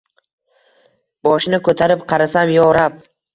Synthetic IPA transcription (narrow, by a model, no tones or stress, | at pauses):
b̥ɒʃnɪkʰɵt̪ʰaɾɪpqʰɑɾasamjɒɾap̚